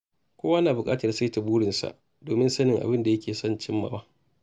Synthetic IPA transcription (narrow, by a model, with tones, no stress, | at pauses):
kʷoː˦wa˦naː˨bʊ˨kʼaː˦tɐ˨rsa˦jta˨buː˦ɽɪ˨nsa̰˨ʔ | doː˨mɪ˦nsɐ˦nɪ˨ŋʔa̰˨bɪ˦nda˨jɐ˦kʲʰeː˨sɔ˦˨nt͡ʃɪ˦mːa̰˨baː˦